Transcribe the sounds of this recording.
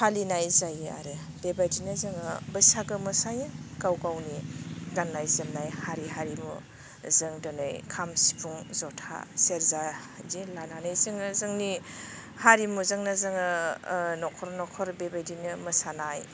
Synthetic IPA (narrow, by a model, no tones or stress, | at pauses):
halinajzajɯa̰ɾɯ | b̥ebajdinɯzɯŋɯbɯsaɡɯmɯsajɯkawɡawnidanːajzɯmnajhaɾiɦaɾimṵ | zɯŋdɯnɯjkʰamsi̥pʰuŋzɔtʰa̰seɾza | dilananɯjzɯŋɯzɯŋni | haɾimuzɯŋnazɯŋɯnɔkʰɔɾnɔkʰɔɾbebajdinɯmɐsanaj